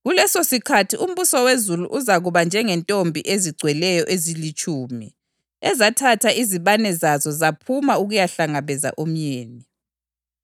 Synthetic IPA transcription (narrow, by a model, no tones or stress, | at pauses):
ɣulɛsosikʰatʰium̩βusɔwezuluʔuzaɣuβand͡ʒʱɛŋɛntʼombʱiʔeziɡ͡ǀʱwɛlɛjɔʔezilit͡ʃʼuːmi | ɛzatʰatʰaʔiziβanɛzazɔzapʰumauɣujaɬaŋaβɛza̰ʔom̩jeːni